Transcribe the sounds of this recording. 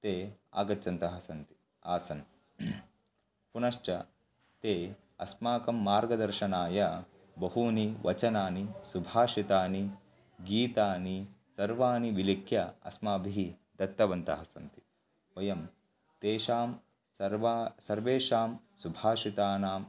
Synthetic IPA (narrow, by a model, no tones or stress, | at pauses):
t̪eːa̰ːɡɐtːɐnt̪ɐɦɐsɐnt̪i̥ | aːsɐn | punɐʃt͡ʃɐ | t̪eː | ɐsmaːkɐmːaːɾɡɐd̪ɐɾʃɐnaːjɐ | bɐɦuniʋʔɐt͡ʃɐnaːnisubʱaːʃit̪aːni | ɡiːt̪aːni | sɐɾʋaːniʋilikʰjɐɐ̰smaːbʱiɦid̪ɐt̪ːɐʋɐnt̪ɐɦɐsɐnt̪i̥ | ʋɐjɐm | t̪eːʃaːm | ɐɾʋasɐɾʋeːʃaːm | subʱaːʃit̪aːnaːm